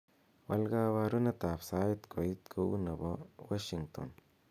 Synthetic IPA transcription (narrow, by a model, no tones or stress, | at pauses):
wɐ̰lɡawaɾunɐt̪apsaːjit̪kʰojit̪kʰoṵnɐbowaʃiŋt̪o̰n